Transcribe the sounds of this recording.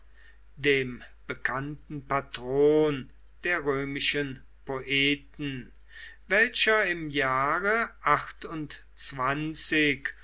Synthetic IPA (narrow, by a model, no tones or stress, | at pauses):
deːmb̥əkʰantn̩patʁ̥oːn | d̥eːɐʁøːmɪʃən | poʔɛːtn̩ | vɛlʃɐɪmjaːʁəʔaχtʊnt | t͡sv̥ant͡sɪk